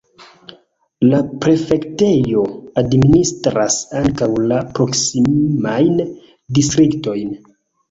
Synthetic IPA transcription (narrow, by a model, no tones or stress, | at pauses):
lapɾe̞fe̞kte̞jo̞administɾasaŋkawlapɾo̞ksimimajn | distɾikto̞jn